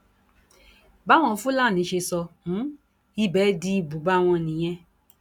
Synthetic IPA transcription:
ba˦w̃ɔ̃˧˦˧fũ˦la˦˨nĩ˨˦ʃe˧sɔ˧nũ˨˦ | i˦bɛ˨˦di˦i˧bu˨˦ba˦w̃ɔ̃˧nĩ˨j̃ɛ̃˦

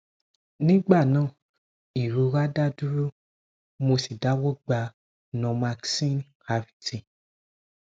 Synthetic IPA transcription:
nĩ˦ɡ͡ba˦˨nãː˦˨ | i˨ɾo˧ɾa˦da˦du˦ɾo˦ | mo˧si˨da˦wɔ˦ɡ͡ba˧ | nɔ̃˨˧ma˧ksĩ˦n | ha˧vi̥˨tĩ˨

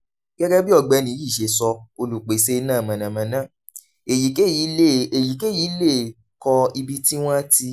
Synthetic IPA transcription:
ɡ̥ɛ˦ɡɛ˦bi˦ɔ˧ɡ͡bɛ˧nĩ˨˦i˦˨ʃe˧˨sɔ˧o˧lu˨k͡pe˨se˦˧˦nãː˦˨mã˨nã˨mã˨nã˦˨ | e˨ji˨ke˦i˨˦e˦e˨ji˨ke˦˨ji˨˦le˦˨ | kɔ˧i˧bi˦ti˦w̃ã˦a˦ti˧

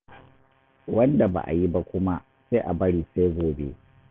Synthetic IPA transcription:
wɐ˦nda˨ba̰˨ʔa̰˨ji˦ba˦kʷʊ˦ma˦ | se˦ʔa˨bɐ˦ɽiː˨se˦ɡʷoː˨bḛ˦

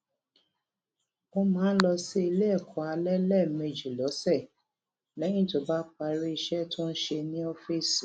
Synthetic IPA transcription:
o˧mãː˦lɔ˧si˦i˧le˦ɛ˦˨kʰɔ˨a˧lɛ˦lɛ˦˨me˧d͡ʒi˨lɔ˨˦sɛ˦˨ | lɛ˨˦j̃ĩ˦˨to˨ba˦k͡pa˧ɾi˦i˧ʃɛ˦tũ˦n̩˦ʃe˧nĩ˦ɔ˦fi˦˨s

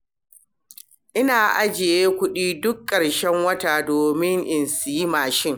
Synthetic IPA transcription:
ʔɪ˦naː˨ʔa˦d͡ʒɪ˨jeː˦kʷʊ˦ɗiː˦dʊ˦kːɐ˨ɽʃɛ˦ŋwɐ˦ta˨doː˨mɪ˦ŋʔɪ˨nsi˦maː˨ʃɪ˦ŋ

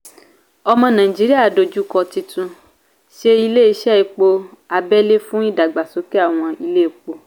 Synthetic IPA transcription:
ɔ˧mɔ̃˧nãː˨ĩ˨d͡ʒi˨˦ɾi˦a˦˨do˨˧d͡ʒu˦kɔ˧ti˧tʰũ˧ | ʃe˧i˧le˦i˧˦ʃɛ˦i˧k͡po˧a˧bɛ˦le˦fũ˦i˦˨da˨ɡ͡ba˨so˨˦ke˦a˦˨w̃ɔ̃˧i˧le˦i˨k͡po˧

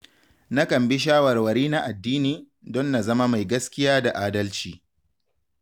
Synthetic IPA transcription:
na˦kɐ˨mbɪ˦ʃ̬aː˦wɐ˨rwɐ˨ɾiː˦na˦ʔa˨dːiː˦niː˨ | dɔ˦nːa˨zɐ˦ma˦ma˨jɡɐ˦skʲɪ˦jaː˦da˨ʔaː˦dɐ˦lt͡ʃiː˨

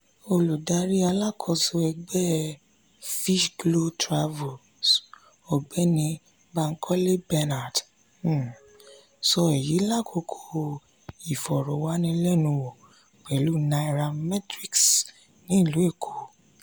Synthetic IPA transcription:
o˧lu˨da˧ɾi˦a˧la˦kʰɔ˧so˧ɛ˧ɡ͡bɛ˦ | fi˦ʃɡlo˦tɾa˧vo˨ | s | o˨ɡ͡bɛ˦nĩ˧ | ba˧ŋ̩˦kʰɔ˦le˦bɛ˧na˨d̩˦˨ | sɔ˧ɛ˨ji˨˦la˦˨kʰo˧kʰo˧ | i˨fɔ˨ɾɔ˨wa˦nĩ˧˦lɛ˦˨nũ˧wɔ˨ | k͡pɛ˨lu˨˦nã˧i˧ɾa˧mɛ˦tɾi˦ks | nĩ˦˨lu˨˦e˦˨kʰo˨

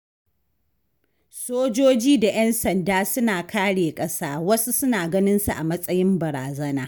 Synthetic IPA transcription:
soː˦d͡ʒoː˦d͡ʒiː˦da˨jɐ˦nsɐ˨ndaː˦sʊ˦naː˨kʰaː˦ɽeː˨kʼɐ˦saː˦wɐ˦su˦sʊ˦naː˨ɡɐ˦nɪ˦nsu˨ʔa̰˨mɐ˦sʼɐ˦jɪ˦mbɐ˨ɾaː˨zɐ˦naː˦

